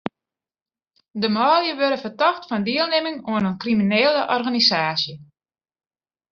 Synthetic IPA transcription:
dəmɔːljəʋøɾəfərtɔxtfɔndiəlˠnemɪŋuənənkrimineːləʔɔrɣanisaːsjə

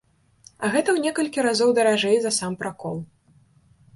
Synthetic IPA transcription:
ɐɣɛt̪ɐwnʲɛkɐlʲkʲiɾazɔwd̪ɐɾaʐɛjzɐsampɾakɔlˠ

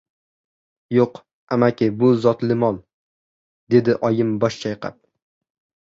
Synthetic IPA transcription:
joq | amakʲɪbʊzɒt̪lɪmɒlˠ | d̪e̞d̪ɪʔɒjɪmbɒʃt͡ʃʰajqɑ̰p̚

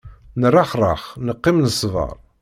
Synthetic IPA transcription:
nərˤːɑχrˤɑχnəqːimnəsˤːvɑ̰ɾˤ

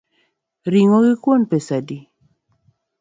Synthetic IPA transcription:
ɾiŋoɡɪkwonpesadi

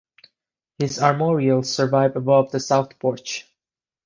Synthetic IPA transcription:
hɪzɑɹmɔɹiəlˠzsə˞vaɪvəbɔvðəsaʊθpʰɔɹt͡ʃ

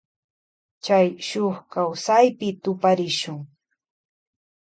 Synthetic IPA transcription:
t͡ʃajʃoχkawsajpɪt̪ʊpaɾɪʃʊŋ

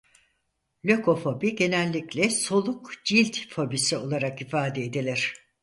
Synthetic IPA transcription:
lʲøko̞fo̞biɟe̞nɛlʲːiclʲɛso̞lˠukd͡ʒilʲt̪fo̞bisio̞lˠaɾakifaːd̪ɛed̪elʲiɾ̥

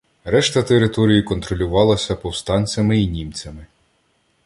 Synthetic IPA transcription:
ɾɛʃt̪ɐt̪eɾɪt̪ɔɾʲijikɔnt̪ɾɔlʲʊʋɑlˠɐsʲɐpɔwst̪ɑnʲt͡sʲɐmɪinʲimt͡sʲɐmɪ

